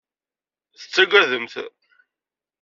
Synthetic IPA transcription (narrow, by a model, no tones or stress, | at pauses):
θət͡sːæɡʷæðəmθ